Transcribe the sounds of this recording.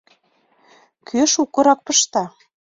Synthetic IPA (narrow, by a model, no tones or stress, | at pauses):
kʰøʃukɤ̆ɾɑk̚pɤʃt̪ɑ